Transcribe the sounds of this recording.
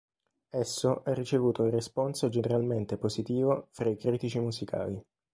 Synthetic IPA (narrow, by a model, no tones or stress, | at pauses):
ɛsːoʔarːit͡ʃevuːt̪oiresponsod͡ʒeneɾalment̪epozit̪iːvofɾaikɾiːt̪it͡ʃimuzikʰa̰ːli